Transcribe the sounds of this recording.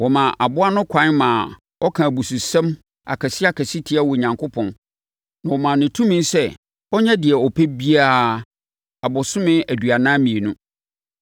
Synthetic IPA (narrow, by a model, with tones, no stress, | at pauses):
wɔ˨mã˨ʔa˨bʊ˦a˦nʊ̃˦kʷʰã˨˦nmã˨ | ɔ˦kʰã˨bu˨su˨sɛ̃˦m | a̰˨kʰæ˨sɪ˦a˨kʰæ˨si˦tʰi˦a˦wɔ˨ɲã˨ŋkʰʊ˦pʰɔ̃˨n | nã˨wɔ˨mã˨nɪ̃˨tʰũ˦mĩ˦n˦sɛ˦ | ɔ˦ɲɛ̃˦dɪ˨ɛ˨ɔ˨pʰɛ˦bi˦a˦ | a˨bʊ˨sʊ̃˦mɪ̃˦æ˨dɥa˨nã˦mĩ˨e˨nũ˦